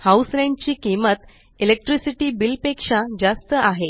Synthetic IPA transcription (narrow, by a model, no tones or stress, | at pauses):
hausɾẽɳɖt͡ɕiːkimət̪ | elek̚ʈɾisiʈiːbilpekʂad͡zast̪əʔaɦe